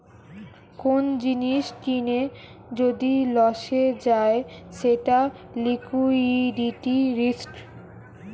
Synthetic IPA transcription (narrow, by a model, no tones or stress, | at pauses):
kond͡ʑiniʃkine | d͡ʑod̪ilɔʃed͡ʑaeʃeʈa | likuiɖiʈiɾisʈ